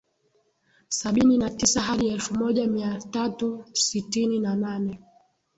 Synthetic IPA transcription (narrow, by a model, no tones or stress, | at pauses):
saɓininatisaɦaɗiɛlfumɔʄamiatatusitininananɛ